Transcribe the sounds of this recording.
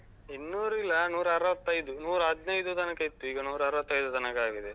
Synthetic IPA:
enːuːɾilːɐnuːɾaɐːɾɐʋɐt̪ːɐjd̪unuːɾɐd̪nɐjd̪ut̪ɐnɐkɐjit̪ːuiːɡɐnuːɾaːɾɐʋɐt̪ːɐjd̪ut̪ɐnɐkaːɡid̪e

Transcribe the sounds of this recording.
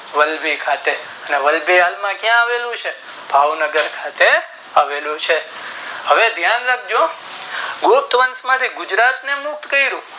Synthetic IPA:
ʋəlbikʰat̪e | əneʋəlbialmãkjãːʋelũt͡ʃʰe | bʱaʋnəɡəɾkʰat̪e | aʋelũt͡ʃʰeɦəʋed̪ʱjanlak̚d͡ʒo | ɡup̚t̪ʋənsmãt̪ʰiɡʊd͡ʒɾat̪nemʊk̚t̪kəiɾũ

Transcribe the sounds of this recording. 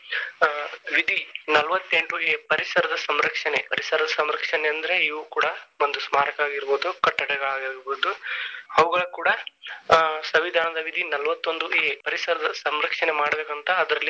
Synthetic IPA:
ʋid̪ʱinɐlʋɐt̪ːe̞ɳʈueːpɐɾisɐɾɐd̪ɐsɐmɾɐkʂɐnepɐɾisɐɾɐd̪ɐsɐmɾɐkʂɐneɐnd̪ɐɾeiʋukuːɽɐond̪usmaːɾɐkɐaːɡiɾboːd̪ukɐʈːɐɽɛɡɐɭaːɡiɾɡɾboːd̪uɐʋɐɡɐɭukuːɽɐ | sɐʋid̪ʱaːnɐd̪ɐʋid̪ʱinɐlʋɐt̪ːo̞nd̪ueːpɐɾisɐɾɐd̪ɐsɐmɾɐkʂɐne̞maːɽɐbeːkɐnt̪ɐːd̪ɾɐlːi

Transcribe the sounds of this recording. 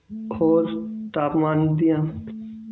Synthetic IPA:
kʰoːzt̪aːpmaːnd̪ijãː

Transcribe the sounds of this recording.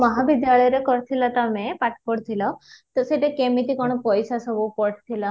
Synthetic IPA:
mɔɦabid̪jalɔjɔɾekɔɾt̪ʰilat̪amepaʈkɔɽt̪ʰilɔt̪ɔseʈekemit̪ikɔɽ̃ɔpɔjsasɔbupɔɽt̪ʰila

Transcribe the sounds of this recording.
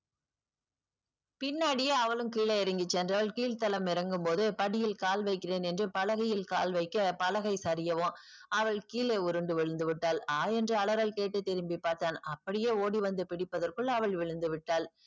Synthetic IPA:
pɪnːaːɽɪjeːɐʋɐɭɯmkiːlɐɪɾɐŋɡɪt͡ʃːɛndrɐʋɐɭkiːɭt̪ɐlɐmɪɾɐŋɡɯmpoːðɯpɐɽɪjɪlkaːlʋɐɪkːɪreːnɛndrɯpɐlɐɣɐjɪlka̰ːlʋɐɪkːɐpɐlɐɣɐɪsɐɾɪjɐʋõː | ɐʋɐɭkiːleːʊɾɯɳɖɯʋɪɻɯnd̪ɯʋɪʈːaːlaːjɛndrɯɐɭɐɾɐlkeːʈːɯt̪ːɛɾɯmbipːaːɾt̪aːnɐpːɐɽɪjeːoːɽiʋɐnd̪ɯpɪɽɪpːɐðɐrkɯɭɐʋɐɭʋɪɻɯnd̪ɯʋɪʈːaːl

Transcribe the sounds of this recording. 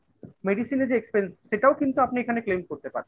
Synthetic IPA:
meɖisineɾd͡ʑeekspensːeʈaokint̪uapniekʰaneklemkoɾt̪epa̰ɾen

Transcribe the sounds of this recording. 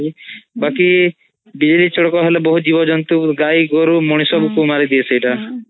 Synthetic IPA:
ibaki | bid͡ʒelit͡ʃɔɽɔkɔɦelebɔɦud͡ʒibɔd͡ʒɔnt̪uɡajɡoɾumoɽ̃isɔbkumaɾid̪iesʰejʈa

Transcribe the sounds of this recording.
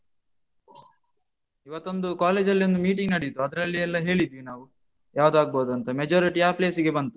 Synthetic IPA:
iʋɐt̪ːo̞nd̪ukaːleːd͡ʒɐlːiond̪umiːʈiŋɡnɐɽijt̪ːuɐd̪ɐɾɐlːiɛlːɐɦe̞ːɭid̪ʋinaːʋu | jaːʋud̪aːɡ̚boːd̪uɐnt̪ɐmed͡ʒoːɾiʈiaːple̞ːsiɡe̞bɐnt̪u

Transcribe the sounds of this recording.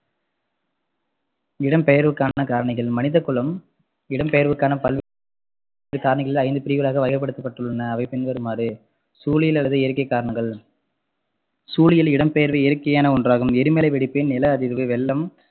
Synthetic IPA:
ɪɽɐmpɛjɐɾʋɯkːaːnɐkaːɾɐɳɪɣɐɭmɐnɪðɐkːɯɭɐm | ɪɽɐmpɛjɐɾʋɯkːaːnɐpɐlʋ | ɾɯkaːɾɐɳɪɣɐɭɪlɐɪnd̪ɯpɪɾɪɣɐlaːɣɐʋɐjɐɾɐp̬ːɐɽɯt̪ːɐpːɐʈːɯɭːɐnɐːʋɐɪpɪnʋɐɾɯmaːɾɯ | suːlɪjɪlɐlɐðɯɪɾɯkːɐɪkːaːɾɐɳɐŋɡɐɭ | suːlɪjɪlɪɽɐmpɛjɐɾʋɐɪɾɯkːɐjaːnɐɔndraːɣɯmɛɾɯmelɐɪʋɛɽɪpːeːnnɪlɐɐðɪɾʋɯʋɛɭːɐm

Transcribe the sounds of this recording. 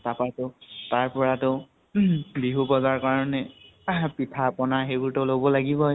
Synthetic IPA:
tapatʊtaɹpɔɹatʊ | biɦupɔzaɹkaɹɔnɛ | pitʰapɔnaxebuɹtolobɔlaɡibɔ

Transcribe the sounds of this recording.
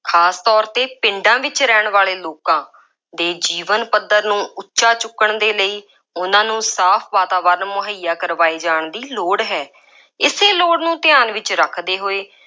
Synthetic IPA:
kʰaːst̪ɔːɾt̪eːpɪɳɖãːʋɪt͡ʃɾɛːɳʋaːleːloːkãː | d̪eːd͡ʒiːʋənpəd̪ːəɾnũːʔʊtːʃaːt͡ʃʊkːəɳd̪eːləiː | ʊnãːnũːsaːpʰʋaːt̪aːʋəɾnmʊɦəjaːkəɾʋaːiːd͡ʒaːɳd̪iːloːɽɦɛː | ɪseːloːɽnũːt̪ɪjaːnʋɪt͡ʃɾəkʰd̪eːɦoːeː

